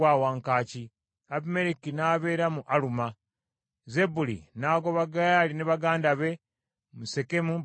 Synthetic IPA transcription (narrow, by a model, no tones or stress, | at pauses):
waːwaːŋkaːci | aβime̞ɾikinaːβe̞ːɾamuʔaluma | ze̞bulḭnaːɡo̞βaɡaalineβaɡaːndaβe̞ | muse̞ke̞mu